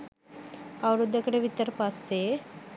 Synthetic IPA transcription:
awɾud̪ːjɐkəɽeʋit̪əɾpase

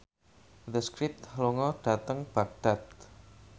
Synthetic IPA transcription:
d̪əskɾɪpt̚t̪hloŋɔɖ̥at̪əŋb̥aɡ̚d̪̥at̪̚

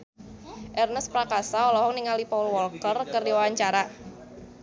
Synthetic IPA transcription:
ʔɛrnəspɾakasaɔlɔɦɔŋniŋalipaulwɔlkərkərdiwawaɲt͡ʃaɾa

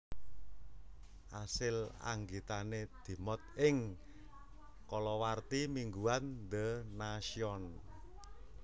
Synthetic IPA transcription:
ʔasɪla̰ŋɡit̪aned̪̥i̤mɔt̪̚ɪŋ | kɔlɔwart̪imiŋɡuand̪ənasiɔn

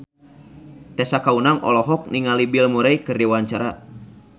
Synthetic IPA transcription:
t̪ɛsakaunaŋʔɔ̰lɔɦɔk̚niŋalibilmuɾajkɨrdiwaɲt͡ʃaɾa

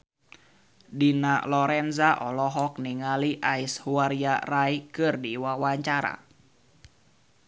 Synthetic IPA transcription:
dinalɔɾɛnzaʔɔlɔɦɔk̚niŋaliʔaishuaɾiaraikɨrdiwawaɲt͡ʃaɾa̰

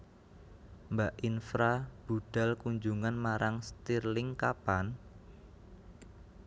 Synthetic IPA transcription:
mbaʔinfɾab̥uɖ̥a̤lkuɲd͡ʒuŋanmaɾʔaŋst̪irlɪŋkapan

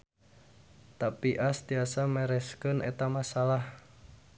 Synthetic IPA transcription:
t̪apiʔast̪iasamɛɾɛskənʔḛt̪amasalah

